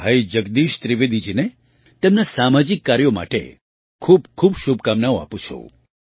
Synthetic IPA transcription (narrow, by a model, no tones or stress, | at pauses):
ɦəjd͡ʒəɡd̪iʃt̪ɾiʋed̪id͡ʒine | t̪emnasamad͡ʒikːaɾjoma̰ʈḛ | kʰuːbkʰubʃubkamnaoa̰pũt͡ʃʰo̰